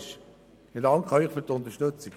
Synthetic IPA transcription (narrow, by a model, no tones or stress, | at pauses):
ʃ | hidɑŋkχœʏχfyːtʊnt̪əʃtɵt͡sik